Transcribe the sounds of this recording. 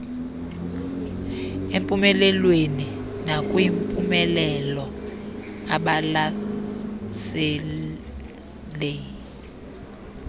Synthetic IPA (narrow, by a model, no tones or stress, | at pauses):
empʼumɛlɛlweni | nakʼwimpʼumɛlɛlɔ | aɓala | sɛ | lɛ